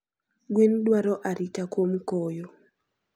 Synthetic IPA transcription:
ɡwindwaɾɔʔaɾitakwomkɔjo

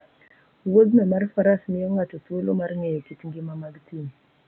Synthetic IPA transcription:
wod̪memaɾfaɾasmijoŋatot̪uelomaɾŋejekitŋɡimamaɡtʰin

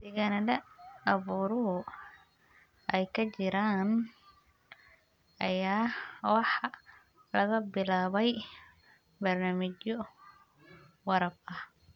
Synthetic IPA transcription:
sɪɣɐnɐdɐɐβuːɾɔɦʊ | ʔɛjkʰɐt͡ʃɪɾaːn | ʔɐjaːwɑħ | lɐɣɐbɪlaːβɛj | bɐrnaːmɪt͡ʃɔ | wɑɾɐbɐh

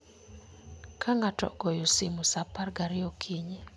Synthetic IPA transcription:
kʰaŋatɔ̰ɡɔjosɪmusaparɡaɾɪɔkʰiɲe

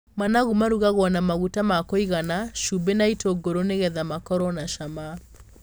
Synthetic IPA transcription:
manaɣumaɾuɣaɣwɔnamaɣutamakoiɣanaʃubenaitoɡoɾoneɣɛðamakɔɾɔnaʃama

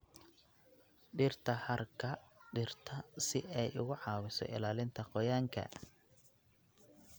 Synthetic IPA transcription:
ɖɪrt̪ʰɐhɐrkʰɐɖɪrt̪ʰɐsɪʔɛjʊɣʊʕɑːwɪsɔ̰ʔɪ̰laːlɪnt̪ʰɐqɔjaːŋkʰɐ̰

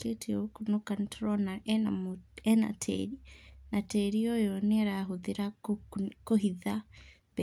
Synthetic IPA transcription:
ketʰiukunukantʰɾɔnaʔaɛna̰tʰɛ̰ɾinatɛɾijɔjɔnɛaɾaɦuðiɾa | kɔɦiða | pɛ

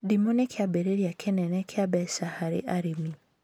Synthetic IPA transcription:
dimonɛkʰɪabeɾeɾiakʰenɛnɛkʰɪabɛsahaɾɪ̰ʔaɾimi

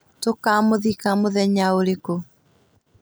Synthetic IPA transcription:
tokamoðikamoðɛɲaoɾeko

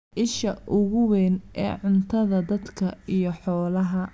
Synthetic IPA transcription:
ʔɪʃɐʔʊɣʊwɛːnʔɛ̰ːʕʊnt̪ʰɐðɐd̪ɐd̪kʰɐijɞħɔːlɐɦɐ

